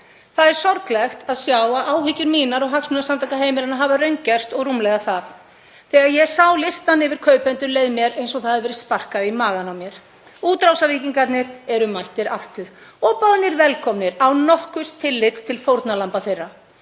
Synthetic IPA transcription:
θaðɛɾ̥sɔɾklɛxt̪aðsjaːwaðʔaːwɦʏcʏɾmiːnaɾɔɣɦaksmɪnasant̪akaɦeːjmɪɾanaɦavarœɥɲcɛr̥st̪ɔɣrumlɛɣaθaf | θɛːɣaɾjɛsawlɪst̪anɪvɪɾ̥kʰœːɥpɛnt̪ʏɾleːjðmjɛɾejnsɔɣθaðaðvɛːɾɪðspar̥kaðɪimaːɣanamjɛɾ̥ | uːt̪ɾawsaviciŋkat̪nɪɾɛɾʏmːajht̪ɪɾa̰ft̪ʏɾ̥ɔːpaðnɪɾvɛlkʰɔmnɪɾawnɔhkʏst̪ʰɪlːɪt̪st̪ʰɪlfowɾt̪nalampaθejrːa

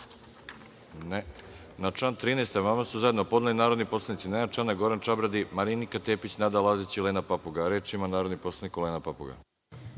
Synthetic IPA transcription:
ne | nat͡ʃant̪ɾiːnejst̪emamasuzajed̪nopo̞d̪nalinaːɾo̞d̪nipo̞slˠanit̪sinenat͡ʃanaɡo̞ɾant͡ʃabɾad̪imaɾinikat̪eːpit͡ɕnad̪alˠazit͡ɕileːnapapuɡaɾeːt͡ʃimanaːɾod̪nipo̞slˠanikoleːnapapuɡa̰

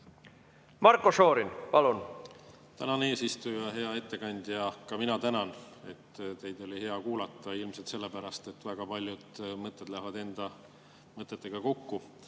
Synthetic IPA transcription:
mɑɾkosoːɾinpɑlun | t̪ænɑne̞ːsist̪ujɑɦe̞ɑe̞t̪ːe̞kɑnʲd̪̥jɑkɑminɑt̪ænɑne̞t̪ːt̪e̞jd̪̥o̞lʲihe̞ɑkuːlɑt̪ːˑɑilmselt̪se̞lːe̞pæɾɑst̪e̞t̪ːˑvæɡ̥ɑpɑlʲjud̪̥mɤt̪ːˑe̞d̪̥lævɑd̪e̞nd̪̥ɑ | mɤt̪ːˑet̪ːˑe̞ɡ̥ɑko̞kːu

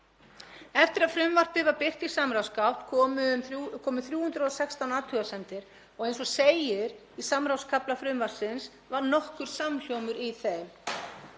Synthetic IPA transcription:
ɛft̪ɪɾaðfɾʏmvar̥t̪ɪvaɾpɪr̥t̪isamɾawskawt̪ʰʏʏmkʰɔːmʏθɾjuːhʏnd̪ɾɔsɛkst̪awnaːt̪ʰʏɣasɛnt̪ɪɾ̥ | ɔɣejnsɔseːjɪɾ | isamɾawskʰaplafɾʏmvaɾ̥sɪns | vaɾnɔhkʏɾ̥samçowmʏɾiθeðm

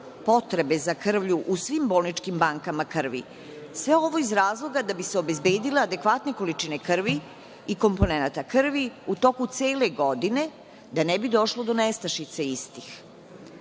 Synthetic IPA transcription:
po̞t̪ɾe̞be̞zakr̩ʋʎuʔusʋimbo̞ːlˠnit͡ʃkimbaŋkamakr̩ʋḭ | sʋe̞o̞ʋo̞izɾaːzlˠo̞ɡad̪abiseobe̞zbe̞ːd̪ilead̪e̞kʋat̪ne̞ko̞lit͡ʃine̞kr̩ʋi | iko̞mpo̞nenat̪akr̩ʋiut̪o̞kut̪se̞ːle̞ɡo̞d̪ine̞ | d̪anebid̪o̞ʃlo̞d̪o̞nest̪aʃit̪seist̪ix

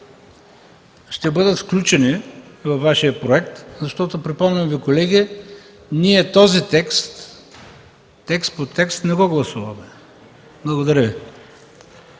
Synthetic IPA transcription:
ʃt̪ɛbɤd̪ət̪fklʲut͡ʃɛnivɐvːaʃijəpɾoɛk̚t̪zɐʃt̪ɔt̪opɾipɔmnʲɐmvikolɛɡʲi | niɛt̪ɔzit̪ɛkst̪ | ɛkst̪̚pot̪ɛkst̪nɛɡɔɡlˠɐsuvɐmɛ | blˠɐɡod̪ɐɾəvi

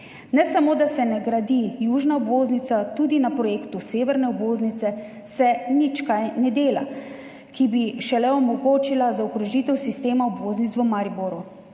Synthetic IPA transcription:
nɛsamoːd̪asɛnɛɡɾad̪ijuːʒnaɔbʋoːznit̪sat̪uːd̪inapɾɔjeːkt̪useːʋɛɾnɛɔbʋoːznit̪sɛ | sɛnit͡ʃkajnɛd̪eːla̰ | kibiʃɛlɛɔmɔɡoːt͡ʃilazaɔkɾɔʒit̪ɛwsist̪eːmaɔbʋoːznit̪sʋɔmaɾiboːɾu

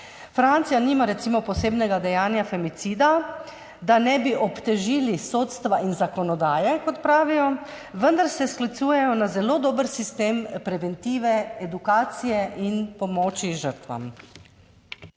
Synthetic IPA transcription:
fɾant̪sijaniːmaɾɛt̪simɔpɔseːbnɛɡad̪ɛjaːnjafɛmit̪siːd̪a | d̪anɛbiʔɔpt̪ɛʒiːlisoːt̪st̪ʋaʔinzakɔnɔd̪aːjɛkɔt̪pɾaːʋijɔ | ʋənd̪aɾsɛsklit̪suːjɛjɔnazɛloːd̪oːbəɾsist̪eːmpɾɛʋɛnt̪iːʋɛɛd̪ukaːt̪sijɛʔinpɔmɔːt͡ʃiʒəɾt̪ʋa̰m

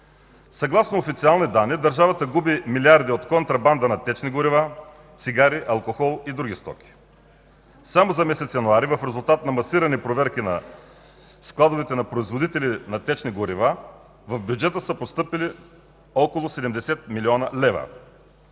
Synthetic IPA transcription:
sɐɡlˠasnoofit̪sialˠnid̪anːid̪ɐɾʒavɐt̪əɡubimiliaɾd̪iot̪kont̪ɾɐband̪ənɐt̪ɛt͡ʃniɡʊɾiva | t̪siɡaɾiʔɐlˠkoxɔlˠid̪ɾuɡʲist̪ɔ̰kʲi̥ | samozɐmɛsɛt̪sjɐnuaɾivɐfɾɛzulˠt̪at̪nɐmɐsiɾɐnipɾovɛɾkʲinɐ | sklˠad̪ovɛt̪ɛnɐpɾoizvod̪it̪ɛlinɐt̪ɛt͡ʃniɡʊɾiva | vɐfbʲjud͡ʒɛt̪əsəpost̪ɤpili | ɔkolˠosɛd̪ɛmd̪ɛsɛt̪̚miliɔnɐlɛvɐ̰

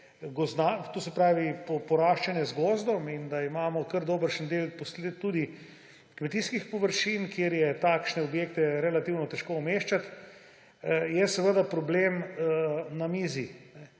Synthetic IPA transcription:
ɡɔzd̪at̪osɛpɾaːʋipopɔɾaːʃt͡ʃanjɛzɡɔːzd̪ɔmind̪aimaːmɔkəɾd̪oːbəɾʃnd̪elposlet̪ːud̪i | kmɛt̪iːskixpɔʋəɾʃinkjeɾjɛt̪akʃnɛobjek̚t̪ɛɾɛlat̪iwnɔt̪ɛʃkoumeːʃt͡ʃat̪ | jɛsɛʋəd̪apɾɔbleːmənamiːzinɛ

